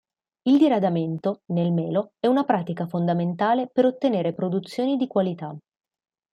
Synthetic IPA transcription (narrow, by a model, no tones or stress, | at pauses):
ild̪iɾad̪ament̪onelmɛːloɛunapɾaːt̪ikafond̪ament̪aːlepeɾot̪ːeneːɾepɾod̪ut̪sːjoːnid̪ikwalit̪a